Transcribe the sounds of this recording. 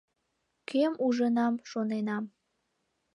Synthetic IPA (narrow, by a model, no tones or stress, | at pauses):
kemuʒənɑmʃonenɑm